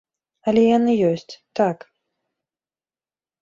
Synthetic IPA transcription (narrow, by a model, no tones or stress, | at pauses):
ɐlʲɛjanɨjɔsʲt͡sʲt̪ak